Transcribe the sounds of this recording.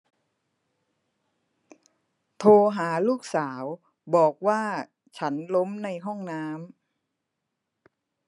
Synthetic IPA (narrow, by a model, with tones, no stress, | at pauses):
t̪ʰoː˧ɦaː˩˦luː˥˩k̚saː˩˦w | bɔː˨˩k̚waː˥˩ | t͡ɕʰa˦˥nlo˦˥mna˧jɦɔ˥˩ŋnaː˦˥m